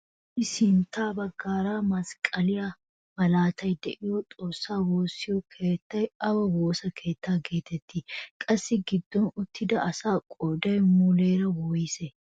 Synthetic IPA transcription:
ʔɪsɪnt̪ːaːbɐɡːaːɾaːmɐskʼɐlɪja | mɐlaːt̪ʰɐjd̪ɛʔɪjɔt̪ʼo̞ːsːaːwoːsːɪjɔkʰe̞ːt̪ːɐjɐwɐwo̞ːsɐkʰe̞ːt̪ʰːaːɡe̞ːt̪ɛt̪ʰːikʼɐsːɪɡɪd̪ːɔnʊt̪ːɪd̪ɐʔɐsaːkʼɔːd̪ɐjmʊleːɾɐwɔːjɪsɛ

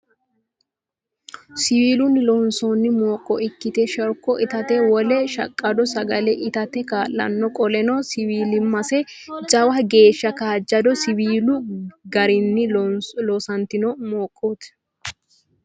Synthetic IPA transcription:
sɪwiːlʊnlɔnsɔnːɪmoːkʼːɔʔɪkːɪt̪ɛʃɔɾkːɔʔɪt̪ɐt̪ɛwɔlɛʃɐ̰kʼːɐd̪ɔsɐɡɐlɛʔɪt̪ɐt̪ɛkaːlːɐ̰nːɔkʼɔlɛnɔsɪwiːlɪmːɐsɛ | d͡ʒɐwɐɡe̞ːʃːɐkaːd͡ʒːɐd̪ɔsɪwiːlʊɡɐɾɪnːɪloːsɐnt̪ɪnɔmoːkʼːuːt̪

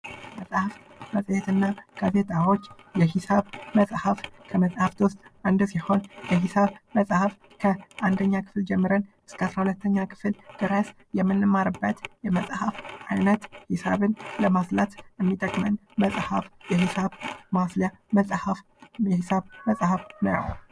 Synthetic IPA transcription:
məsʼhfməsʼjɛt̪ʰɨnːakʰazet̪ʼawo̞t͡ʃːjɛhɪsaβməsʼhəfkʰəməsʼhaft̪ʰost̪ʼʔand̪siho̞njɛhɪsaβməsʼhaf | kʰəʔand̪əɲːakʰɨ̥fld͡ʒɛmːɨɾənʔɨskʰəasɾahulət̪ʰːəɲːakʰɨ̥fld̪̥ɨɾəs | jɛmːɨnːɨmaɾɨbːət̪jɛməsʼhafʔajnət̪hɪsa̰βɨnləmaslat̪jɛmːit̪ʼəkʼmənməsʼhafjɛhɪsaβmaslja | məsʼhaf | jɛhɪsaβməsʼhəfnə̰jw

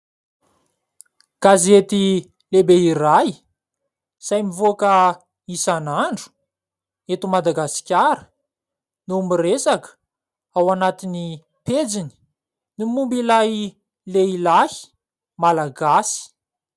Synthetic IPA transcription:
kazet̪i | lebeiraj | sajmivoakə | isanaɳɖ͡ʐu̥ | et̪umad̪aɡasi̥kʲaɾə̥ | numiresakə̥ | awanat̪ini | ped͡zini̥ | nimumbilaj | leilahi̥ | malaɡasi̥

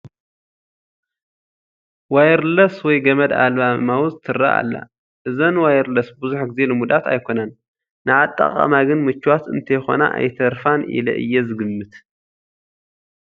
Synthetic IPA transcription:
wajɾlɐswɔjɡɐmɐd̪a̰lβamawzɨt̪ʰɨrːa̰ʔa̰lːa̰ | ʔɨzɐnwajɾlɐsbɨzuħɡɨzelɨmud̪at̪a̰jkʰo̞nanː | ɨʕat̪ʼːa̰χʼa̰maɡɨnmɨt͡ʃːwat̪ɨnt̪ʰɐjxo̞̰na̰ʔa̰jt̪ʰɐɾfanʔḭlɐ̰ʔɨ̰jːɛzɨɡɨmːɨt̪

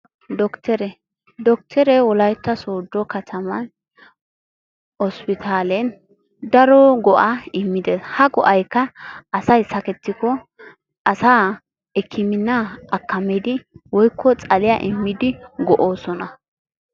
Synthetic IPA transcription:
d̪ɔkt̪ɛɾɛ | d̪ɔk̚t̪ʰɛɾɛwɔlɐjt̪ːɐsoːd̪ːɔkɐt̪ʰɐmɐn | ɔspɪt̪ʰaːlɛn | d̪ɐɾɔɡɔʔaɪmːɪd̪eshɐɡɔʔɐjkːɐɐsɐjsɐkɛt̪ːɪkɔ | ʔɐsaː | ɛkʰːɪmɪnːɐɐkːɐmɛd̪ɪwɔjkʰːɔt͡sʼɐlɪja̰ʔɪmːɪd̪ɪɡɔʔoːsɔnɐ

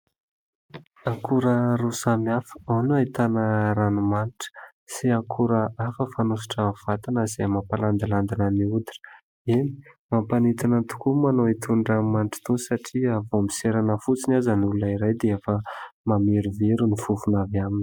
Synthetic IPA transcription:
aŋkʰuɾəɾusamiafə̥awnuait̪anəɾanumaniʈ͡ʂə̥ | siakʰuɾəafəfanusi̥ʈ͡ʂəv̥at̪inəz̥emapaland̪iland̪inəniud̪in̥ | eni̥mampanit̪inənt̪u̥kumanowit̪ʰuɳɖ͡ʐamanʈ͡ʂi̥t̪osaʈ͡ʂiavombi̥seɾanəfut͡sinazənulunəiɾajd̪eefəmameɾuveɾunifufunavamini̥

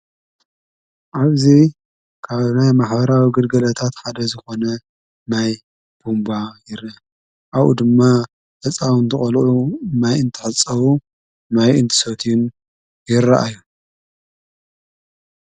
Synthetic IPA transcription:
ʔaβzi | kʰaβnajmaħbɐɾawiɡɨlɡɐlɐt̪ʰat̪ħad̪ɐzɨxo̞nɐ | naj | b̥umbajɪɾɨ | ʔawṵd̪ɨmːa | fɐt͡sʼawɨnzɨχʼɐlʔunajɨnt̪ʰɨ̥ħɨt͡sʼːɐwu | najɨnt̪ʰɨ̥sot̪ʰjun | jɪɾɐʔajːu

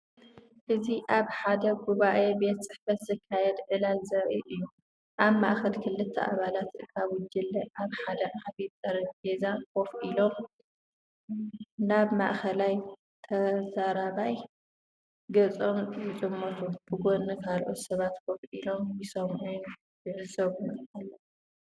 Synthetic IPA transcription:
ʔɨziʔaβħad̪ɐɡuβaʔe̞be̞t̪sʼɨħfɐt̪zɨkʰːajɛd̪ʕɨlalzɨɾɐʔiʔɨjːu | ʔaβma̰ʔxɐlkʰɨlːɨt̪ʰːɐʔa̰βalat̪kʰaβwʊd͡ʒɨlːɐʔaβħad̪ɐʔaβit̪ʼːɐɾɐɡezakʰo̞fʔilo̞m | naβma̰ʔxɐlaj | t̪ʰɐzɐɾaβaj | ɡɐt͡sʼo̞mjɨt͡ʃʼɨmːot̪ʰub̥ɨɡonːɐkʰalʔot̪sɐβat̪kʰo̞fʔilo̞mjɪsɐmʕun | jɨʕɨzɐβunalːɐ

